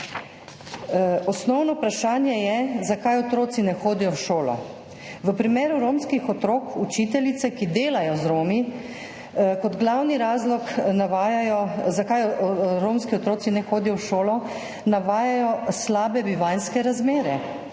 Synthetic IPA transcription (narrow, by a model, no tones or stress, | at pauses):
ɔsnɔwnɔpɾaʃaːnjɛjɛzakajɔt̪ɾoːsinɛxoːd̪ijɔwʃoːlɔ̰ | ʋəpɾimeːɾuɾoːmskixɔt̪ɾoːkut͡ʃit̪ɛlit̪sɛkid̪eːlajɔzɾoːmi | kɔd̪ɡlawniɾaːzlɔknaʋaːjajɔzakajɾoːmskiɔt̪ɾoːsinɛxoːd̪ijɔwʃoːlɔ | naʋaːjajɔslaːbɛbiʋajnskɛɾazmeːɾɛ